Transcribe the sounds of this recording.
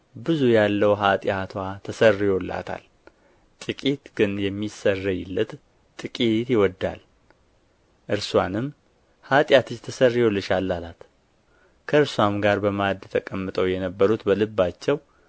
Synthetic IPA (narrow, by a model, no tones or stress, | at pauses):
bɨzujalːəwɦat̪ʼɪjat̪ʰwat̪ʰəsərːɔlːa̰t̪ʰa̰l | t̪ʼɨkʼit̪ɡ̥ɨnjɛmːisərːəjɪlːət̪ | t̪ʼɨkʼit̪jɪwɔd̪ːa̰l | ʔɨɾsuanɨmː | hat̪ʼjat̪ʰɨt͡ʃt̪ʰəsərːiwɔlːɨʃalːalat̪ | kʰəɨɾsuwamɡaɾbəmad̪t̪ʰəkʼəmːɨt̪ʼəwjɛnəbːəɾut̪bəlɨbːat͡ʃːɛw